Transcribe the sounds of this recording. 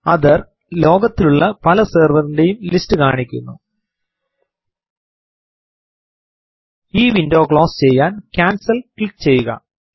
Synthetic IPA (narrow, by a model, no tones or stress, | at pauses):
ɐðɐr | lo̞ːɡɐt̪ːiluɭːɐpɐlɐseːrʋɐrinde̞jumlistɨkaːɳikʲːṵnːṵ | iːʋindo̞ːkɭo̞ːst͡ɕe̞jːaːnkʲaːnsɐlkɭikːt͡ɕe̞jːuɣɐ̰